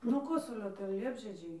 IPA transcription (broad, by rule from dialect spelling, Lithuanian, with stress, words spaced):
nuɔ ˈkoːsʊlʲoː ˈtʲɛn ˈlʲiɛbʲʒʲiɛd͡ʒʲɛɪ